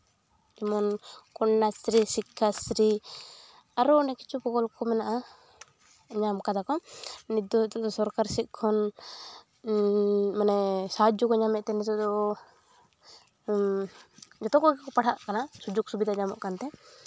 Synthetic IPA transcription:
t̪ɛmɔnkɔɳːasɾisikʰːasɾi | aɾunɛki̥t͡ʃupɔkɔlkɔmɛnaʔa | ɲamkad̪akɔnid̪ɔt̪ɔd̪ɔsɔɾkaɾsit̪̚kʰɔn | manɛsad͡ʒukɔɲamɛʔt̪ɛnɛt̪ɔd̪ɔ | d͡ʒɔt̪ɔkɔkakɔpaɽaʔkanasud͡ʒuɡ̚subid̪aɲamɔ̰ʔkant̪ɛ

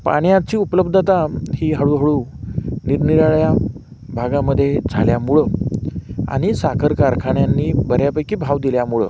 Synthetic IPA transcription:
pa̰ɽjãt͡ɕiːupləb̚d̪ʱd͡zat̪ahiːɦəɭuːɦəɭuːniɾniɾaɭja | bʱaɡaməd̪ʱːjed͡zʱaljamuɭə | a̰ɽ̃isakʰəɾkaɾkʰaɳjanːiːbəɾjapəjkiːbʱaʋd̪iljamuɭə̰

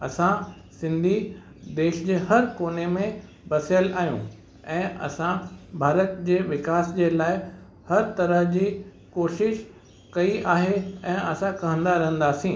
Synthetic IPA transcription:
ɐsã | sɪ̃nd̪ʱi | d̪eːʃd͡ʑeːhɐɾkoːnemẽ | bɐsjəlaːɦijṵ̃ | ɛ̃ːʔɐ̰sãbʱaːɾət̪d͡ʑeːʋɪkaːsd͡ʑeːlaːɪ | hɐɾt̪ɐɾəɦd͡ʑiː | koːʃɪʃ | kɐiʔaːɦeɛ̃ːɐsãkɐ̃ɦə̃nd̪aɾɐɦə̃n̆d̪aːsĩː

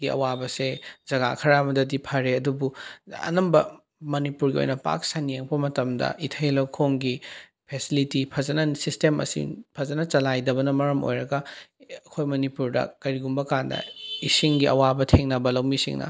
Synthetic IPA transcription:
ɡiɐ̰wabɐsezɐɡa̰kʰɐɾamɐdɐdipʰɐɾeɐdubuɐ̰nɐmbɐ | mɐnipuɾɡio̰jnɐpa̰k̚sanijeŋpɐmɐtɐmdɐ̰ʔitʰɐjlowkʰoŋɡi | pʰesilitipʰɐzɐnɐsistemɐ̰sḭpʰɐzɐnɐt͡ʃɐlajdɐbɐnɐmɐɾɐmo̰jɾɐɡɐɐkʰojmɐnipuɾdɐ̰kɐɾiɡumbɐkandɐ̰isiŋɡiʔɐ̰wabɐtʰeŋnɐbɐlɐwmisḭŋnɐ̰

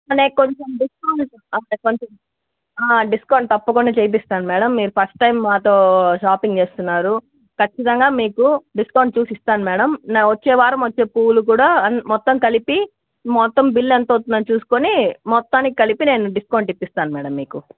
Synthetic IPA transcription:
ɐneːko̞ɲt͡ʃomɖiskɐwuɳɖ | ɐɐekoɲt͡ʃom | aːɖiskɐwɳɖ̚t̪ɐpːɐkuɳɖɐt͡ʃejp̬ist̪aːnumɛːɽɐmːiːɾupʰɐsʈʈːɐjmːaːt̪o̞ːʃaːpiŋɡt͡ʃe̞ːst̪unːaːɾu | kɐt͡ʃːit̪ɐŋɡaːmiːkuɖiskɐwɳɖ̚t͡ʃuːsist̪aːnumɛːɽɐmnʋɐt͡ʃːɛːʋaːɾɐmʋɐt͡ʃːeːpuːluk̬uːɽaːɐnmɔt̪ːɐmkɐlipi | mɔt̪ːɐmbilːent̪oːt̪unɐnt͡ʃuːsu̥konimɔt̪ːaːnikikɐlipine̞ːnuɖiskɐwɳʈipːist̪aːnumɛːɽɐmːiːku

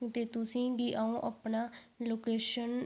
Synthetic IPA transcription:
t̪eːt̪ʊsĩːɡiːʔaːõːʔəpɳaːloːkeːʃən

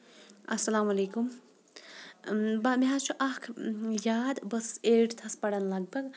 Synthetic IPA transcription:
ɐsɐlaːmɐlekum | bameɦat͡ʃʰuʔakʰjaːd̪bɐseʈt̪ʰɐspɐɽɐnlɐɡ̚bɐɡ

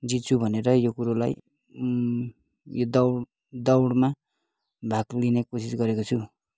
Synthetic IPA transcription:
d͡zit̪̚t͡sʰubʱʌneɾʌjokuɾolaj | jod̪ʌwɽ | d̪ʌwɽma | bʱaklinekosisɡʌɾekot͡sʰu

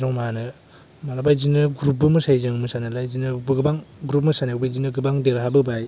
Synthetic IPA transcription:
zɔŋmanɯ | malabajzinɯɡɾup̚bɯmɯsajzɯŋmɯsanɯlajzinɯbɯɡɯbaŋɡɾup̬̚mɯsanebajzinɯɡɯbaŋdeɾɦabɯbaj

